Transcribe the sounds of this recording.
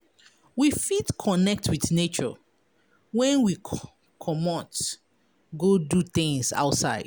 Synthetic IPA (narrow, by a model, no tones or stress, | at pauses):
wifitkʰɔnɛk̚tʰwiθnet͡ʃɔ̰ | wɛ̃nwi | kʰɔmɔt | ɡodutĩŋsa̰ʊtsaɪd